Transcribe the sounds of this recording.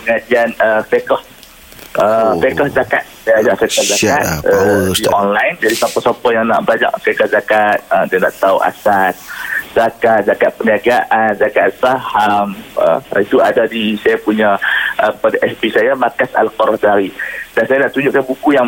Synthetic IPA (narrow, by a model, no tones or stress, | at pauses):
əŋad͡ʒianəfekɔh | əfekahd͡ʒaka̰t̪̚sajad͡ʒaʔfekɔhd͡ʒaat̪̚əiɔnlajnd͡ʒadisapasapɔjaŋna̰ʔbəlaɲa̰ʔfekahzakat̪̚ədiana̰ʔt̪auʔa̰sasd͡ʒakat̪̚d͡ʒakat̪̚pəniaɡaʔanzakat̪sahamə̰it̪uadadisajapuɲaʔəpədʔɛsbisajamakasa̰lkɔɾɔhdaɾidansajanaʔt̪uɲd͡ʒʊʔkanbukujaŋ